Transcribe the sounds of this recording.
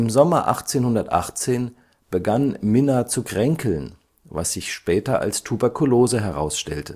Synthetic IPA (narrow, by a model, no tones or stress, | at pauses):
ʔɪmzɔmɐʔa̰χt͡seːnhʊndɐtʔa̰χt͡seːn | b̥əɡanmɪnat͡sukʁ̥ɛŋkʰl̩n | va̰sz̥ɪçʃpɛːtɐʔa̰lstʰubɛɐkʰuloːzəɦɛʁa̰ʊsʃtɛ̰ltə